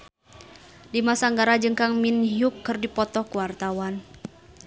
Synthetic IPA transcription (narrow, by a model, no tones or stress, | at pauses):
dimasaŋɡaɾad͡ʒɨŋkaŋminɦjukːɨrdipɔt̪ɔkuwart̪awan